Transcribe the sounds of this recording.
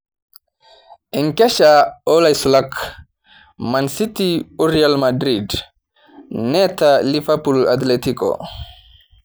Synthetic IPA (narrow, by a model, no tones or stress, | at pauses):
ʔɛŋkɛʃaɔlajsulak | mansitiuɾialmadɾid | nɛtalifɛpula̰t̪letikɔ̰